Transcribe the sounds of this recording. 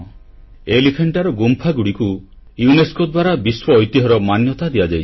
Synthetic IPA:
elikʰeɳʈaɾɔɡumpʰaɡuɽiku | juneskod̪waɾabiswɔːjt̪iɦɔɾɔmanjɔt̪ad̪ijad͡ʒajʰ

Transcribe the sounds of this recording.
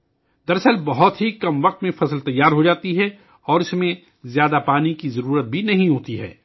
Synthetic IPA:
d̪ɐɾsəlbɐɦʊt̪ɦikɐmʋɐq̚t̪mẽfɐsəlt̪ɐjːaːɾɦod͡ʒaːt̪iɦɛ | ɔːɾɪsmẽ | zjaːd̪apaːnikizɐɾuːɾət̪̚bʱinɐɦĩɦoːt̪iɦɛ̰ː

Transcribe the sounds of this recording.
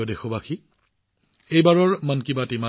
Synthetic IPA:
odexobaxʰi | ejbaɹɔɹmənkibatima

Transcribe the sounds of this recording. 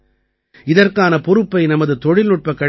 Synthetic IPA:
ɪðɐrkaːnɐpɔɾɯpːɐɪnɐmɐðɯt̪ɔɻɪlnʊʈ̚pɐkːɐɽ

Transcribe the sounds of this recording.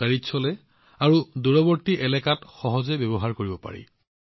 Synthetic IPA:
aɹitsɔlɛ | aɹuduɹɔbɔɹtiʔɛlɛkatxɔɦɔzɛbebɔɦaɹkoɹibɔpa̰ɹḭ

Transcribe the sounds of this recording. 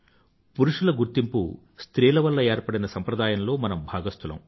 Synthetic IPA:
puɾuʂulɐɡuɾt̪impṵ | st̪ɾiːlɐʋɐlːɐeːɾpɐɽinɐsɐmpɾɐd̪aːjɐmlo̞ːmɐnɐmbʱaːɡɐst̪ulɐ̰m

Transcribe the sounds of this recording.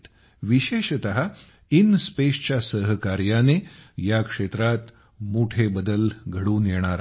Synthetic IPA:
t̪ | ʋiɕeːɕt̪əɦa | inspeɕt͡ɕjasəɦəkaɾjanejakʂet̪ɾat̪ | muːʈʰebəd̪əlɡʱəɽuːnjeɽ̃aɾ

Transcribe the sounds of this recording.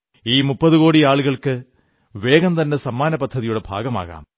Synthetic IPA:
iːmʊpːɐðɯkoːɽiaːɭɯɣɐɭkːɨ | ʋeːɣɐmt̪ɐnːesɐmːaːnɐpɐd̪ʱːɐðijuɽɐbʱa̰ːɣɐma̰ːɣa̰ːm

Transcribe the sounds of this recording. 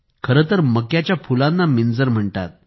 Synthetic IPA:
kʰəɾət̪əɾməkjat͡ɕjafulanːamind͡zəɾm̤əɳt̪a̰t̪̚

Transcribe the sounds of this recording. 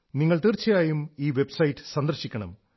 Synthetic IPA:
niŋːɐɭt̪irt͡ɕːɐjaːjumiːʋe̞bsɐjʈːɨ̥sɐnd̪ɐrɕikʲːɐɳɐ̰m

